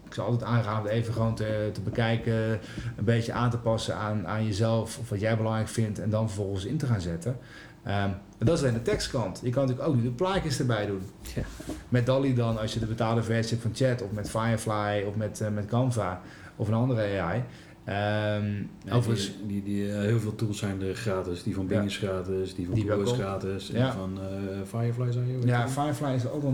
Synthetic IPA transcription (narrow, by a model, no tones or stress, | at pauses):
ɪksɔ̰lˠtɛtaːŋraːvəteːjvəxəʋoːntətəbəkɛjkə | ənbeːtjəʔaːntəpɑsəananjəzɛlˠfɔfʋɔtjɛjbəlɑŋrɛjkfɪntɛndɔnfərvɔlˠɣənsɪntəxaːnzɪtə | ə | dɔɪsɪndətɛkstkɑntjəkɑnətyːəkowk̚nydəplaːkjəsdəbɛjdun | mɛt̚dɔlˠidɔnɑsjədəbətaːlˠdəvɛɹsɛpfɔnt͡ʃɛtɔfmɛtfajəflajɔfmɛtmɛtkɑnfa | ɔfənɑndərəeaj | əmowvəənsiiɦɪəlˠvɪːlˠtulˠsɛjndəxraːtɪsdifɔnbnəsxraːtɪsdifɔndiɛlˠsraːtɪsafɔnfajəflajsɛjojafajəflajɪsɔ̰lˠɔ